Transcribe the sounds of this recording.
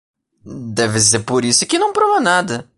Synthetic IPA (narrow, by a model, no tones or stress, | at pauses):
d̪ɛvɪs̬eɾpoɾisʊkɪnɐ̃w̃pɾovɐnad̪ɐ